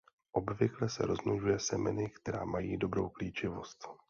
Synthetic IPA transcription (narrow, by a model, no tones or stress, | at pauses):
ʔobvɪklɛsɛ̰ɾo̞zmluʒujɛsɛmɛ̰nɪkt̪ɛɾa̰ːmajiːdo̞bɾo̞̰wkliːt͡ʃɪvo̞st̪